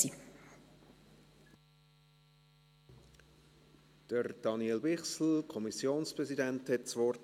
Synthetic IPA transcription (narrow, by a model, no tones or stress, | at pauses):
i | d̥əɾd̥ɑnielbɪχsl̩kʰɔmisjoːnspʁɛzidɛnthɛtsʋɔrt